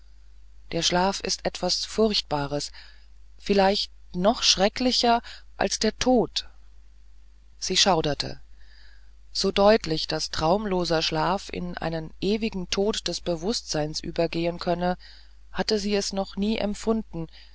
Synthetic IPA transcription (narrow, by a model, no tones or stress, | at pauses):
d̥eːɐʃlaːfɪ̰stʔɛtv̥asfʊʁçt̚b̥aːʁ̞əs | fɪlaɪçt | nɔχʃʁ̥ɛklɪçɐʔa̰lsd̥eːɐtʰoːt | z̥iːʃaʊdɐtʰə̰ | z̥oːdɔʏtlɪçd̥astʁ̥aʊmloːzɐʃlaːfɪ̰nʔa̰ɪnənʔeːvɪɡŋ̩tʰoːtd̥ɛsb̥əvʊstz̥aɪnsʔyːbɐɡeːənkʰœnə | hatəziːɛsnɔχniːʔɛ̰mfʊndn̩